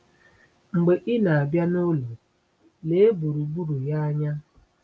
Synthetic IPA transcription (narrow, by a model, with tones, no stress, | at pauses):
ŋ͡m̩˨ɡ͡be˨ʔɪ˦na˨a˨bja˦nʊ˦lo˨ | le˦e˦bu˨ɾu˨bu˦ɾu˨ja˦a˦ɲa˦